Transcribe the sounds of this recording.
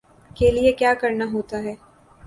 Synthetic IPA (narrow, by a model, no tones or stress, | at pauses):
keliekjaːkɐɾnaɦoːt̪aɦɛː